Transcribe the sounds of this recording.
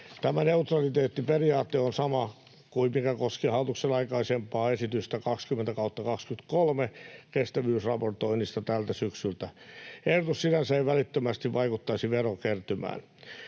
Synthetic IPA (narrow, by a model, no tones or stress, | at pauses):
t̪æmæneut̪rɑlit̪eːt̪ːiperiɑːt̪ːeonsɑmɑ | kuimikækoskihɑut̪uksenɑikɑisempɑːesit̪yst̪ækɑkskyment̪ækɑut̪ːɑkɑkskyt̪kolmekest̪æʋyːsrɑport̪oinist̪ɑt̪ælt̪æsyksylt̪æehdot̪ussinænsæiʋælit̪ːømæst̪iʋʋɑikut̪ːɑisiʋerokert̪ymæ̰ːn